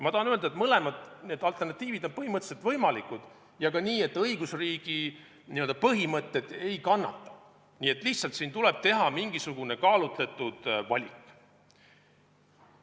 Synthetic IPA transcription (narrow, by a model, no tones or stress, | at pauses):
mɑt̪ɑɑnøld̪ɑet̪mɤle̞mɑd̪̥ne̞ːd̪ɑlt̪ːˑernɑt̪ːˑiːvid̪̥o̞npɤɦimɤt̪ːˑeselt̪vɤjmɑlikˑud̪̥ | jɑkɑniːe̞t̪ːˑɤiɡ̥usriːɡ̥i | niø̞ld̪ɑpɤɦimɤt̪ːˑe̞d̪̥e̞jkɑnːɑ̰t̪ːˑɑ̥ | niːe̞t̪ːˑliht̪sɑlt̪siːnt̪ule̞b̥t̪e̞ɦɑmiŋɡ̥isuɡ̥une̞kɑːlut̪le̞t̪ːˑud̪̥vɑ̰lʲikːˑ